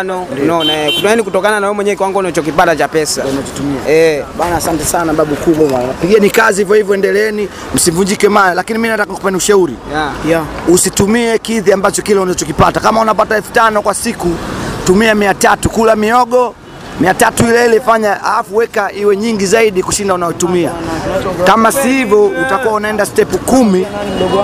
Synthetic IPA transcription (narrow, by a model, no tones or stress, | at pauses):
nɔnɔnakutɔɛnikutɔkananawɛmwɛɲɛkiwaŋɡɔunat͡ʃɔk̬ipatat͡ʃapɛsanat͡ʃɔtumia̰ɛɓanaːsantɛsanaɓaɓukuɓaaapiɠiɛnikazihivjɔhivjɔɛndɛlɛɛni | m̩sivuɲd͡ʒikɛmajalakiniminatakaku̥pɛniuʃauɾi | usitumiɛkiðiambat͡ʃɔkilɛunaɔt͡ʃɔkipatakamaunapataɛlfu̥tanɔkwasikutumiamiatatukulamiɔɠɔ | miatatuilɛilɛfaɲaa̰lafuwɛkaʔiwɛɲiŋɡizaiɗikuʃindaunajɔitumia | kamasihivɔutakuwaunaɛndastɛpukumi